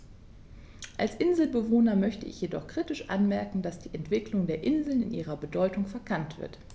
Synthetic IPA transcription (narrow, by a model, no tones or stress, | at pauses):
ʔalsʔɪnzl̩bəvoːnɐmœçtəʔɪ̰çjedɔ̰χkʁ̥iːtɪʃʔa̰nmɛɐkŋ̩dasd̥iːʔɛntv̥ɪklʊŋdeːɐʔɪnzl̩nɪ̰nʔḭːʁɐbədɔʏtʊŋfɛɐkʰantv̥ɪ̰ɐt